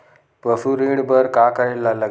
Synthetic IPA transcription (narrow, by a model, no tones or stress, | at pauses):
pəfuɾiɽbəɾkakəelːalə